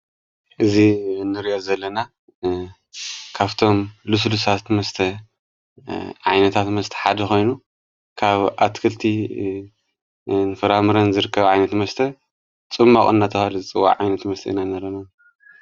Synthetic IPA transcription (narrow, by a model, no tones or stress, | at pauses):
ʔɨzinɨɾiʔozɐlːɐna | kʰaβt̪ʰo̞mlus̬lusat̪mɐst̪ʰɐ | ʕajnɐt̪ʰat̪mɐst̪ʰɐ̥ħad̪ɐxo̞jnu | kʰaβʔat̪kʰɨlt̪ʰi | nɨfɐɾamɨɾɐnzɨɾɨkːɐβʕajnɐt̪mɐst̪ʰɐ | t͡sʼɨmːakʼɨ̰nːat̪ʰɐβalɨzɨt͡sʼɨwːa̰ʕʕa̰jnɐt̪mɐst̪ʰɐ̰inanɐɾɐnɐn